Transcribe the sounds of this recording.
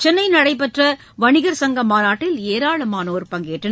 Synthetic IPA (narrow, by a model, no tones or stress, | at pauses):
t͡ʃɛnːɐɪnɐɽɐɪp̬ɛʈrɐ | ʋɐɳɪɣɐɾsɐŋɡɐmaːnaːʈːɪleːɾaːɭɐmaːnɐoːɾpɐŋɡeːʈrɐn